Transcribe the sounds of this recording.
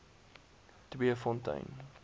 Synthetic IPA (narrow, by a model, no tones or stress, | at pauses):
təbiəfɔ̃ntɐ̰j̃n